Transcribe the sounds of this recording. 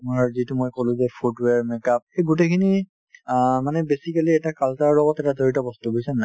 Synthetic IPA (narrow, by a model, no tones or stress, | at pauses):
muazitumojkolʊ̃zɛpʰudwaɹmɛkap̚xejɡut̬ekʰini | manɛbesikaliɛtakaltaɹːɔɡɔtɛtadʱoɹitɔbɔstuɡojsana